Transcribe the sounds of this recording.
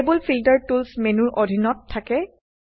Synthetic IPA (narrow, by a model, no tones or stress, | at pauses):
ebulpʰiltəɹtulsmenuɹʔodʱinɔtʰːakɛ